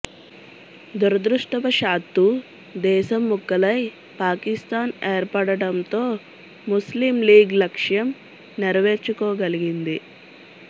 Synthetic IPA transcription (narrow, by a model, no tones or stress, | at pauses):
d̪uɾɐd̪ɾuʂʈɐpɐʃaːt̪ːu | d̪ɛːʃɐmːukːɐlɐj | paːkist̪aːneːɾpɐɽɐɽɐnt̪o̞ː | muslimliːɡlɐkʂjɐm | niɾɐʋe̞ːɾt͡ʃukɔːɡɐliɡind̪i